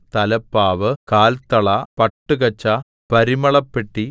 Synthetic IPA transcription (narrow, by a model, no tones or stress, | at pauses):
t̪ɐlɐpːaːʋɨkaːlt̪ɐɭɐpɐʈːɨkɐt͡ɕːɐ | pɐɾimɐɭɐpːeʈːi